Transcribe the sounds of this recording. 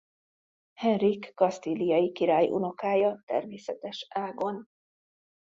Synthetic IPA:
hɛnrikːɒst̪ilijɒjikiɾaːjʔṵno̞kaːjɒt̪ɛ̰rmeːsɛt̪ɛʃaːɡo̞n

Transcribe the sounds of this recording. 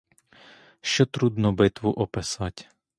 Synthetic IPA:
ʃt͡ʃɔt̪ɾud̪nɔbɪt̪ʋuʔɔpɪsɑtʲ

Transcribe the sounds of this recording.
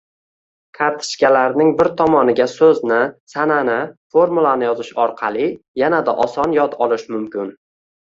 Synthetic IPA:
kʰaɾt̪ʰɪ̥ʃkʲalaɾnɪŋbɪɾt̪ʰɒmɒnɪɡʲasɵznɪsananɪfoɾmulˠanɪjɒzɪʃɒɾqʰɑlˠɪjanad̪a̰ʔɒsɒnjɒt̪ʰɒlˠɪʃmʊmkʲʰɪn

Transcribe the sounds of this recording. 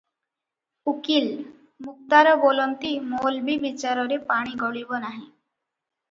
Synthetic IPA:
ukil | muk̚t̪aɾɔbolɔnt̪imolbibit͡ʃaɾɔɾepaɽ̃iɡɔɭibɔnaɦĩ

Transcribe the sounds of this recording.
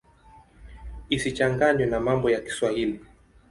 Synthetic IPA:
isit͡ʃaŋɡaɲwɛnamambɔjaki̥swahili

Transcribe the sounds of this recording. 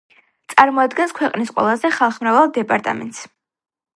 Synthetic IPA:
t̪sʼaɾmɔad̪ɡɛnskʰwɛqʼnisqʼwɛ̰lˠazɛχalˠχmɾavalˠd̪ɛpʼaɾt̪ʼa̰mɛ̰nt̪ʼs

